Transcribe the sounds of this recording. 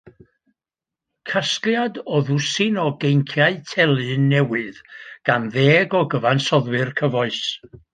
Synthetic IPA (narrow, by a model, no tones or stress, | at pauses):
kʰaskljadɔðʊsɪnɔɡejŋkʰjaɨtʰɛlˠɨnːɛwɨðɡ̥anðeːɡɔɡəvansɔðwɨrkʰəvɔɨs